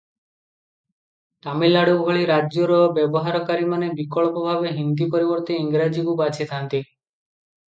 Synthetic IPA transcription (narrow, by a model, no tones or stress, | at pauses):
t̪amilːaɽubʱɔɭiɾad͡ʒjɔɾɔbjɔbɔɦaɾɔkaɾimanebikɔɭpɔbʱabeɦind̪ipɔɾibɔɾt̪iːŋɡɾad͡ʒikubat͡ʃʰet̪ʰant̪i